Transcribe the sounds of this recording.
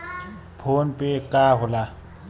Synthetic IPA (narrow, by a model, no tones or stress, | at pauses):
pʰonpʼekʼaɦʊla